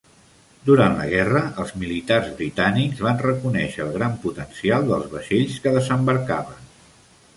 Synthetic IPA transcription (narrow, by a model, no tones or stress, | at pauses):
d̪uɾant̪lə̰ɣ̞ɛrəʔəlˠzmilit̪arzβɾit̪anikzβanrəkunɛʃəːlˠɣɾamput̪ənsialˠd̪əlˠzβəʃeʎskəðəzəmbəɾkaβən